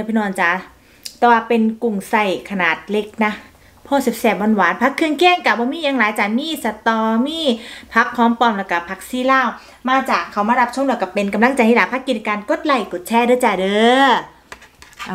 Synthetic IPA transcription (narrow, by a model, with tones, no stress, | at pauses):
pʰi˧˨nɔː˧˩nt͡ɕa˧˩ | t̪ɛː˧˩waː˧˩pe˧nku˨˩ŋsa˧˩jkʰa˧naː˨˩t̪̚le˦˥k̚na˦˥ | pʰɔː˧˩si˨˩p̚sɛː˨˩p̚wa˧˨nwaː˨˦npʰa˦˥kʰːɯ˧əŋkʰɛː˥˩˨ŋka˨˩wbɔː˧˦miː˧˥˨ja˧˦ŋlaː˨˦jt͡ɕaː˨˩miː˧˥˨sa˧t̪ɔː˧miː˥˨pʰa˦˥k̚ʰːɔː˧˥mpɔː˧mlɛː˧˩ka˧˩pʰa˧˦˥k̚siː˧˥˨laː˧˥˩w | maː˧t͡ɕaː˨˩kʰːa˨˩wmaː˧˥˨ɾa˦˥p̚t͡ɕʰu˥˨dɯ˧˩ka˧˩pe˧nka˧mla˧˥˨ŋt͡ɕa˧˩ji˧˥laː˨˦pʰa˦˥kːi˨˩t̪kaː˧nko˧˥t̪̚la˧˩jku˨˩t̪̚t͡ɕʰɛː˧˥˨dɤː˧˨t͡ɕa˧˩dɤː˨˧˨